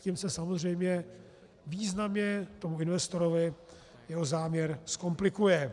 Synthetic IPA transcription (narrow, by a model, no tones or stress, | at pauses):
ciːmsɛsamozr̝ɛjmɲɛ | viːznamɲɛt̪o̞muɪnvɛst̪o̞ɾovɪ | jɛɦozaːmɲɛɾsko̞mplɪkujɛ